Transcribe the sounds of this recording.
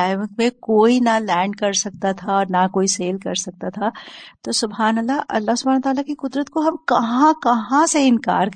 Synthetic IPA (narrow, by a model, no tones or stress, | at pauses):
aːɪʋə̃kmẽkoːinalɛ̃ːɳɖkɐɾsɐk̚t̪at̪ʰaɔːɾnakoːiseːlkɐɾsɐk̚t̪at̪ʰat̪osʊbɦaːnəlːaʔɐ̰lːaːɦsʊbʱañət̪aːlakikʊd̪ɾət̪koɦɐmkɐɦãkɐɦãseɪnka̰ːɾk